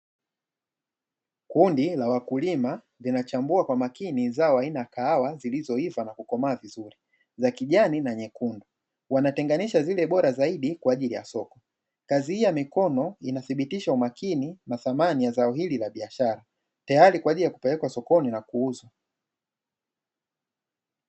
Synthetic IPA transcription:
kundilawakulima | linat͡ʃambuakwamakinizaɔainaakaawazilizɔivanakukɔmaːvizuɾi | zakiʄaninaɲɛkundɔ | wanatɛŋɡaniʃazilɛɓɔɾazaiɗikwaːʄilija̰sɔkɔ | kazihijamikɔnɔinaθiɓitiʃaumakinimaθamanijazaɔɦililaɓiaʃaɾa | tajaɾikwaʄilijaku̥pɛlɛkwasɔkɔninakuuzwa

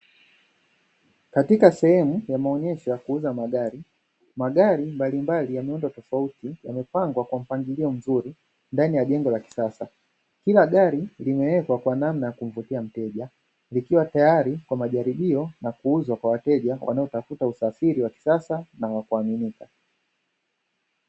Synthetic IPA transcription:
katikasɛhɛmujamaɔɲɛʃɔjakuuzamaɠaɾi | maɠaɾimbalimbalijamiɔndɔtɔfautija̰mɛpaŋɡwakwam̩paŋɡiliɔm̩zuɾi | ndanijaʄɛŋɡɔlaki̥sasa | kilaɠaɾilimɛwɛkwakwanamnajakum̩vutiam̩tɛʄa | likiwatajaɾikwamaʄaɾiɓiɔnakuuzwakwawatɛʄawʔa̰naɔtafutausafiɾiwaki̥sasanawakuaminika

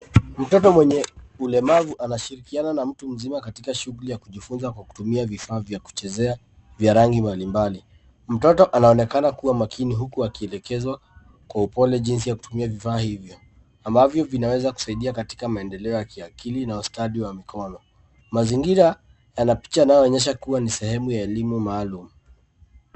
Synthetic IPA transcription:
m̩tɔtɔmwɛɲɛulɛmavuʔanaʃiɾikiananam̩tum̩zimakatikaʃuɣulijakuʄifunzakwaku̥tumiavifaːvjaku̥t͡ʃɛzɛa | vjaɾaŋɡimbalimbali | m̩tɔtɔʔanaɔnɛkanakuwamakʰiniɦukuakiɛlɛkɛza | kwaupɔlɛʄins̬ijaku̥tumiavifaːhivjɔ | ambavjɔvinawɛzaku̥saiɗiakati̥kamaɛndɛlɛɔjakiakilinaustaɗiwamikʰɔnɔ | maziŋɡiɾa | janapi̥t͡ʃanajɔɔɲɛʃ̬akuwanisɛhɛmujaɛlimumaːlumu

